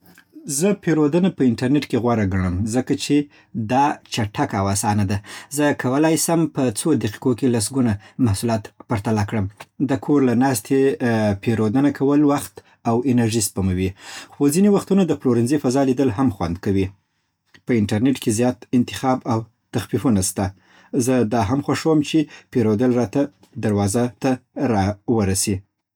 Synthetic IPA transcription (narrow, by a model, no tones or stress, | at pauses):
zəpeɾod̪ənapəɪɳʈaɾneʈkeɣwaɾaɡaɳ̃əmzəkat͡ʃe | d̪ɑt͡ʃaʈʰakawasɑnad̪azəkʰawəlajsəmpət͡sod̪aqi̥qokelas̬ɡunamahsulɑt̪paɾt̪alɑkɽəmd̪əkʰoɾlanɑst̪ʰepʰeɾod̪ənakʰawəlwaxt̪ | awenaɾʒispamawixozinewaxt̪unad̪əfloɾɪnzifazɑlid̪əlɦamxwa̰nd̪kawi | pəɪnʈaɾneʈkʰezjɑt̪ɪnt̪ɪ̥xɑbaw | t̪axfifunast̪a | zəd̪ɑɦamxwaʂəwəmt͡ʃepeɾod̪əlɾɑt̪a | d̪aɾwɑzat̪aɾɑwəɾasi